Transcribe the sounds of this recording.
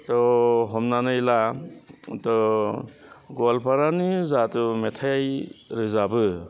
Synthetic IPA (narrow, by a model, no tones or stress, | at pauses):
tɔɦɔmnanɯjla | tɔ | ɡɔlpʰaɾanɯzatɯmetʰajajɾɯzabɯ